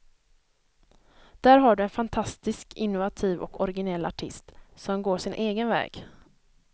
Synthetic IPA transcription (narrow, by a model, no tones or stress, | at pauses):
d̪̥æːɾɦaɖɵɛnfant̪ʰast̪ɪskɪnːʊvat̪ʰiːvɔ̰kɔɾɪɡɪnɛlːaʈʰɪst̪sɔmɡoːʂɪnʔeːɡənvɛ̰ːɡ